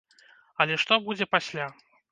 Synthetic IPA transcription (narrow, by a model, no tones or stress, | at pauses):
ɐlʲɛʂt̪ɔbud͡zʲɛpasʲlʲa